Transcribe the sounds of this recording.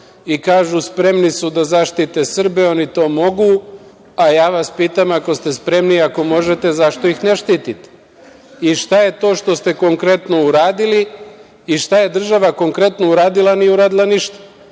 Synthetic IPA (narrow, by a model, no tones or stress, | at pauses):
ikaːʒuspɾe̞mnisud̪azaʃt̪it̪e̞sr̩be̞o̞nit̪o̞ːmo̞ɡu | ajaːʋaspiːt̪amakost̪e̞spɾe̞mniako̞mo̞ʒe̞t̪e̞zaʃt̪o̞ixneʃt̪iːt̪it̪e̥ | iʃt̪aje̞t̪o̞ːʃt̪o̞st̪e̞ko̞ŋkɾe̞t̪no̞uɾaːd̪iliː | ʃt̪aje̞d̪r̩ʒaʋako̞ŋkɾe̞t̪no̞uɾaːd̪ilanijeuɾaːd̪ilˠaniʃt̪ḁ